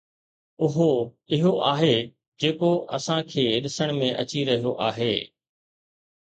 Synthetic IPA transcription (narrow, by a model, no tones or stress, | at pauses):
ʊɦo | ɪɦoʔaːɦeː | d͡ʑeːkoʔɐsãkʰeːɗɪsəɽ̃mẽʔɐt͡ɕiɾɐɦijoʔaːɦeː